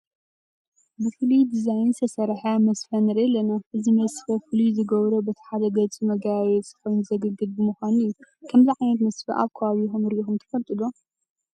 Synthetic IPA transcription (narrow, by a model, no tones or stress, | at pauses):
bɨfɨlid̪izajnsʰɐsɐɾħamɐsfɐnɨɾɐlɐnaɨzimɐsfɐfɨlizɨɡɐβɾɐbɐt̪ʰi̥ħad̪ɐɡɐt͡sʼimɐɡaβet̪zɨxojnzɐɡɨɡɨd̪bɨmɨxʷanɨjːukʰɐmziʕajnɐt̪mɐsfɐ̰ʔa̰βkʰɐβaβixumɨɾixumt̪ʰɐ̥fɐlt̪ʼɨlo